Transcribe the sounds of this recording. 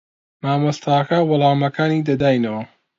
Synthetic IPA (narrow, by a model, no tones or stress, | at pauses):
naːmɐst̪ʰakawʊlˠaːmɐkaːniːd̪ɐd̪aːjnɐwɐ